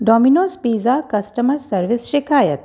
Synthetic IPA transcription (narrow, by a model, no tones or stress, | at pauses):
ɖɔːminoːspiːzakɐsʈɐməɾsɐɾʋisʃikaːjət̪̚